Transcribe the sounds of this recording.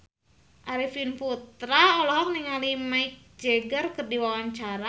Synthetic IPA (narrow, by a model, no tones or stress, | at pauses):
ʔaɾifinput̪ɾaɔlɔɦɔk̚niŋalimaik̚d͡ʒeɡərkərdiwawaɲt͡ʃaɾa